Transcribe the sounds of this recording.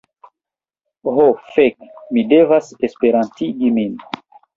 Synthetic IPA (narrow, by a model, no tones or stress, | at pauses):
ɦofekmide̞vasespeɾantiɡimin